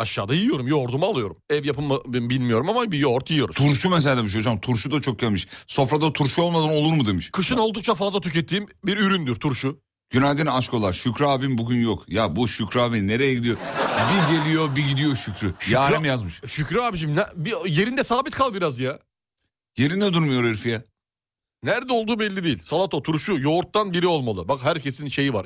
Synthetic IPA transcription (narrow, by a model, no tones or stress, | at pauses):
aʃːaːd̪ajiijo̞ɾumjo̞ɾd̪umalˠɯjo̞ɾumɛvjapʰɯmabmbilʲmijo̞ɾumamabijoɾt̪jiijo̞ɾut̪ʰuɾʃumɛs̬ead̪ɛmiʃ̬oud͡ʒamt̪ʰuɾʃud̪at͡ʃʰo̞k̚ɟamɯʃso̞fɾad̪at̪ʰuɾʃuolˠmad̪ano̞lˠuɾmud̪emiʃkʰɯʃɯno̞lˠd̪uk̚t͡ʃʰafazlˠat̪ʰycʰet̪ʰːiːmbiɾyɾynd̪yɾt̪ʰuɾʃu | ɟ̥ynalʲd̪inaʃko̞lˠaɾʃycɾaːbimbuɟʲynjokjabuʃycɾaːbinne̞ɾejeɟid̪ijobiɟe̞lʲijo̞biɟid̪ijo̞ʃycɾyʃjaːɾɛmjazmɯʃʃycɾaːbiʃimnabije̞ɾind̪ɛsaːbit̪kʰalˠbiɾazja | je̞ɾind̪ɛd̪uɾmɯjo̞ɾɯɾfijɛ | næɾd̪ɛolˠd̪uːbɛlʲːid̪ijilʲsalˠat̪ʰot̪ʰuɾʃujo̞ɾt̪ːanbiɾio̞lˠmalˠɯbakɦæɾcʰe̞sinʃe̞jiva̰ɾ